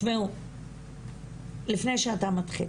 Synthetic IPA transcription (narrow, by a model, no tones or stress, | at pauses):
meu | lifnejʃeat̪amat̪χḭ